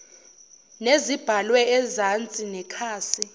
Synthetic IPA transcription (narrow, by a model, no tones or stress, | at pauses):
nezib̥ʱalwɛːzant͡sʼinɛkʰaːsi